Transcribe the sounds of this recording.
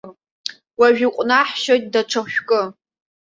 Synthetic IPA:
waʒᶣiqʷʼnaħʃojt̚ʼdaʈ͡ʂʰaʃʷᶣkʼɨ

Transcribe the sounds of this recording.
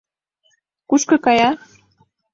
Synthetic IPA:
kuʃkɤ̆kɑjɑ

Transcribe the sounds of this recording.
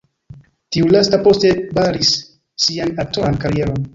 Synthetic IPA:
tiulastapo̞ste̞baɾisː | ianak̚toɾankaɾije̞ɾo̞n

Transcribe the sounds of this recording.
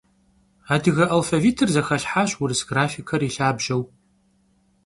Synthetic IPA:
aːdɨɣɐʔɐlfɐviːtʰɨrzɐxɐɬħaːɕwʊrɨsɡ̥raːfikʰɐriɬaːbʒɐw

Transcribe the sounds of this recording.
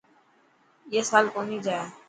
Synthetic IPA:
jeːsaːlkonid͡ʒaːjaː

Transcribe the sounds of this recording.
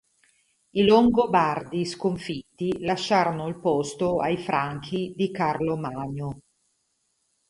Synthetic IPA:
iloŋɡobard̪iskoɱfit̪ːilaʃːaːɾonoilpost̪oajfɾaŋkʰid̪ikarlomaːɲo

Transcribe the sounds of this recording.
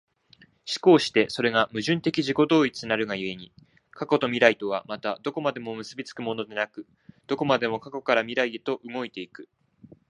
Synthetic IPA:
ɕi̥ko̞ːɕi̥t̪e̞so̞ɾe̞ɡamɯ̟ʑɨ̃nt̪e̞kʲiʑiko̞d̪o̞ːit͡sɨnaɾɯ̟ɡajɯ̟e̞ɲ̟i | kʰako̞t̪o̞mʲiɾait̪o̞β̞amat̪ad̪o̞ko̞mad̪e̞mo̞mɯ̟sɨbʲit͡sɨ̥kɯ̟mo̞no̞d̪e̞nakɯ̟ | d̪̥o̞ko̞mad̪e̞mo̞kako̞kaɾamʲiɾaid̪et̪o̞ʔɯ̟mo̞it̪e̞ikɯ̟

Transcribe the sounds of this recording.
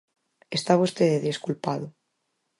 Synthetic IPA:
est̪aβust̪eðeðeskulpaðo

